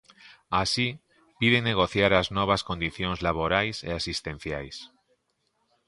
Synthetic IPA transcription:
asi | piðeŋneɣ̞oθjaɾaznoβ̞askond̪iθjoŋzlaβ̞oɾajseasist̪ẽn̟θjajs

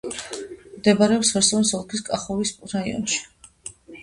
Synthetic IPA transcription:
md̪ɛbaɾɛɔpsvɛɾsɔnsɔlˠkʰiskʼaχɔvisɾaiɔ̰nʃi̥

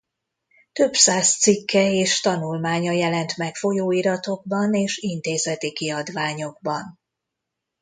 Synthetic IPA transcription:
t̪ø̞bsaːst̪sikːɛeːʃt̪ɒnulmaːɲɒjɛlɛnt̪mɛkfo̞joːiɾɒt̪o̞ɡ̚bɒneːʃint̪eːzɛt̪ikiɒd̪ʋaːɲo̞ɡ̚bɒn

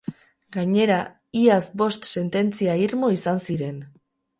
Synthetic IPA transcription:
ɡaɲe̞ɾa | iasbo̞st̪se̞nt̪e̞nt͡siaiɾmo̞isansiɾe̞n

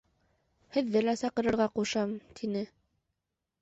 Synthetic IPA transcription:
hɘ̆ðːɘlæsɑqɤ̆ɾɤ̆ɾʁɑquʃɑmt̪ʰinɘ

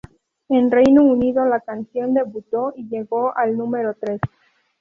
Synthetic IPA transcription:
e̞nre̞jnouniðo̞lakansjo̞nd̪e̞βut̪o̞ʔiʝe̞ɣo̞ʔalnũme̞ɾo̞t̪ɾe̞s

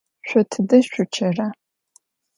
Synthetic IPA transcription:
ɕʷɔtʰɨdɐɕʷʊt͡ʃʰɐra

